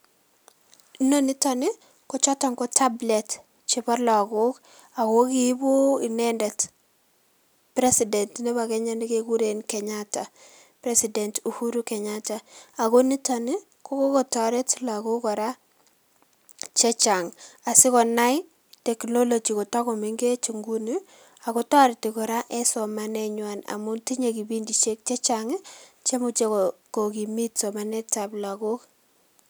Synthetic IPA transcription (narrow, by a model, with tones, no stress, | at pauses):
no˦ni˦ta˨nɪ˦ | kɔ˨t͡ʃɔ˦tɔ˨ŋkɔ˦ta˦blɛ˨t | t͡ʃɪ˦pɔ˦rlɔ˨a˨ɡo˦k | a˨ko˦ki˦bo˦i˨nɛ˦ndɛ˨t | pɾe˦si˨dɛ˨ntnɛ˦ba˨kɛ˦ɲa˦ni˦keku˦ɾe˨nkɛ˨ɲata˨ | pɾe˦sidɛ˨ntu˨hu˦ɾu˦kɛ˨ɲata˨a˨ko˦ni˦ta˨nɪ˦ | kɔ˦ko˦kɔ˨ta˨ɾɛ˦tla˨ɡo˦kɔ˨ɾa˦ | t͡ʃɛ˦t͡ʃa˨ŋa˨sɪ˦kɔ˨na˦j | tɛ˨kno˦lo˨d͡ʒi˨ko˨ta˦kɔ˨mi˨˦ŋɡe˦t͡ʃu˨ŋɡu˦ni˦ | a˨kɔ˦ta˦ɾti˨kɔ˨ɾa˦ʔɛ˦sɔ˨ma˦nɛ˦ɲwa˨na̰˨mʊ˦nti˦ɲe˨ki˨bi˦ndi˨t͡ʃe˦k̚t͡ʃe˦t͡ʃa˨ŋ˦t͡ʃe˦mu˦t͡ʃe˨kɔko˨ki˨mi˦tsɔ˨ma˦nɛ˦ta˨bla˨ɡo˦k